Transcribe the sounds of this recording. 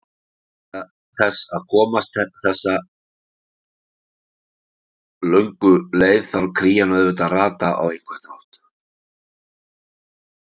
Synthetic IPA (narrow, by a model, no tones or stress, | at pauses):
θɛsːaðkʰɔːmast̪ɛθɛsːa | lœɥŋkʏleːjðθaɾkʰɾiːjanœðvʏt̪araːt̪aʔa̰wejŋkʰvɛht̪ɾɔht̪